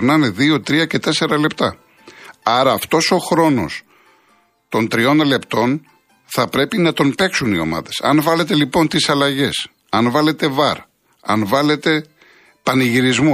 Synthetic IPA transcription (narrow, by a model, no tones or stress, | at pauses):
ɾnɐne̞ðio̞t̪ɾiɐce̞t̪e̞se̞ɾɐle̞pt̪ɐ | ɐɾɐːft̪o̞so̞xɾo̞no̞̰s | t̪o̞nt̪ɾio̞nle̞pt̪o̞n | θɐpɾe̞pinɐt̪o̞npe̞ksunio̞̰mɐ̰ðe̞sɐ̰nvɐle̞t̪e̞lipo̞nt̪isɐlɐʝe̞s | ɐnvɐle̞t̪e̞vɐɾ | ɐ̰nvɐle̞t̪e̞ | pɐniʝiɾizmu